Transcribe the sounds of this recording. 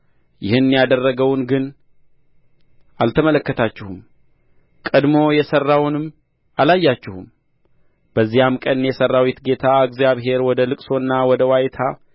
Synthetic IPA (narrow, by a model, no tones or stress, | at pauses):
jɪhɨnːjad̪ərːəɡəwnɡɨn | ʔalt̪ʰəmələkːət̪ʰat͡ʃːɪhum | kʼəd̪mo̞jɛsərːawnɨm | ʔalajːat͡ʃːɪhum | b̥əzːihamkʼənjɛsərːawit̪ɡe̞t̪ʰaɨɡzjaβɦe̞ɾwɔd̪əlɨkʼso̞nːawɔd̪əwajt̪ʰa